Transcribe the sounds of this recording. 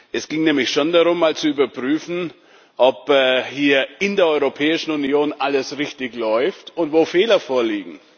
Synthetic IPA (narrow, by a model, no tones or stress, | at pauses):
ʔɛsɡ̥ɪŋnɛːmlɪçʃondaʁʊmːaːlt͡suyːbɐpʁ̥yːfn̩ | ʔɔpɛːhiːɐɪndeːɐʔɔʏʁopʰɛːɪʃn̩unjoːnʔaləsʁɪçtɪçlɔʏftʊntv̥oːfɛːlɐfoːɐliːɡŋ̩